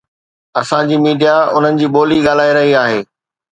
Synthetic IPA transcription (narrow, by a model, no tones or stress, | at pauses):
ɐsãd͡ʑiːmiːɖijaʊn̤ənɪ̆d͡ʑiːɓoːliɠaːl̤aːiɾɐɦiaːɦeː